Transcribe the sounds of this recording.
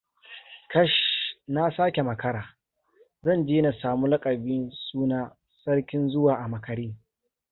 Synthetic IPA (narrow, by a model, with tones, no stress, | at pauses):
kɐ˦ʃna˦saː˦kʲe˨mɐ˨kɐ˦ɾaː˨ | zɐ˦˨nd͡ʒeː˦na˨saː˨muː˦lɐ˦kʼɐ˨biː˦nsuː˦naː˦ | sɐ˦rkʲɪ˦nzʊ˦waː˨ʔa˨mɐ˨kɐ˨ɽiː˦